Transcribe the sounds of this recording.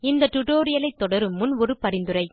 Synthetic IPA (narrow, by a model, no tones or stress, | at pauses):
ɪnd̪ɐʈʊʈoːɾɪjɐlɐɪt̪ːɔɽɐɾɯmʊnʋɔɾɯpɐɾɪnd̪ɯɾɐɪ